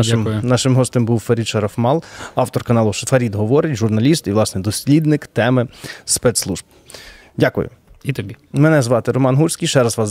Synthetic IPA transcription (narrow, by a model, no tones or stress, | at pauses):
ʊnɑʃɪmɦɔst̪ɪmbuwfɐɾʲit̪ʃɐɾɐfmɑlˠɑwt̪ɔrkɐnɑlˠʊʃɐfɐɾʲid̪ɦɔʋɔɾɪtʲʒʊrnɐlʲist̪iʋlˠɑsnɛd̪ɔsʲlʲid̪nɪkt̪ɛmɪspɛt̪slˠuʒb | dʲakʊ̰jʊ̰it̪ɔbʲi | mɛnɛzʋɑt̪ɪɾɔmɑnɦusʲkijʃt͡ʃɛɾɐzʋɑz